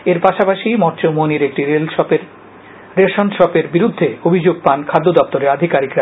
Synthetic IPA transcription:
eɾpaʃapaʃimɔɾt͡ɕomoniɾek̚ʈiɾelpeɾ | ɾelʃonʃɔpeɾbiɾud̪ʱːeobʱid͡ʑoɡ̚pankʰad̪ːod̪ɔp̚t̪oɾeɾad̪ʱikaɾikɾa

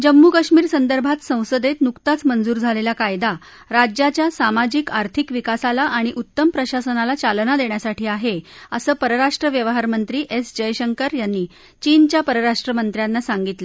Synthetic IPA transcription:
d͡ʑəmːukəɕmiːɾsənd̪əɾbʱat̪sə̃w̃səd̪et̪nukt̪at͡smənd͡zuːɾd͡zʱalelakajd̪a | ɾad͡ʑjat͡ɕjasamad͡ʑikaɾt̪ʰikʋikasalaʔaɽ̃iʔut̪ːəmpɾəɕasənalat͡salnad̪eɳjasaʈʰiːaɦeəsəːpəɾəɾaʂʈɾəʋjəʋəɦaɾmənt̪ɾiːʔesd͡ʑəjɕəŋkəɾjanːiː | t͡ɕiːnt͡ɕjapəɾəɾaʂʈɾəmənt̪ɾjanːasaŋɡit̪lə

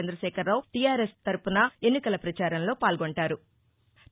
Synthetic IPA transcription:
end̪ɾɐʃɛːkʰɐɾlawʈijaːɾest̪ɐɾupunɐe̞nːikɐlɐpɾɐt͡ʃaːɾɐnlo̞ːpaːlɡoɳʈaːɾu

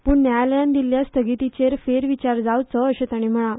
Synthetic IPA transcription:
puːɳnjajaljãnd̪iljast̪ʰəɡit̪it͡ɕeɾfeɾʋit͡ɕaɾd͡zawt͡səːɕẽt̪aɽ̃im̤əɭ̃a

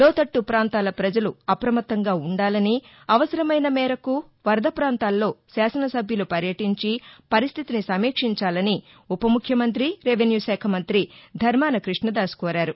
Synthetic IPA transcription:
lɔːt̪ɐʈːupɾaːnt̪aːlɐpɾɐd͡ʒɐluɐpɾɐmɐt̪ːɐŋɡaːuɳɖaːlɐni | ɐʋɐsɐɾɐmɐjnɐmɛːɾɐku | ʋɐɾd̪ʱɐpɾaːnt̪aːlːo̞ːsaːsɐnɐsɐbʱjɐlupɐɾjɐʈiɲt͡ʃipɐɾist̪ʰit̪inisɐmiːkʂiɲt͡ʃaːlɐni | upɐmukʰːjɐmɐnt̪ɾiɾeʋenjuːʃɛːkʰɐmɐnt̪ɾid̪ʱɐɾmaːnɐkɾiʂɳɐd̪aːskɔːɾaːɾu

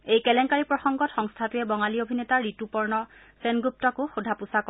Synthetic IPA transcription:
ejkɛlɛŋkaɹipɹɔxɔŋɡɔtxɔŋstʰatujɛbɔŋaliobʱinetaɹːitupɔɹnɔ | sɛnɡup̚tɔkʊxudʱapusakɔ

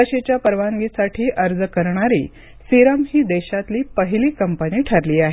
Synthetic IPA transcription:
əɕet͡ɕjapəɾʋaŋɡisaʈʰiːʔəɾd͡zəkəɾɳaɾḭː | siɾəmɦiːd̪eɕat̪liːpəɦiliːkəmpəniːʈʰəɾliːaɦe

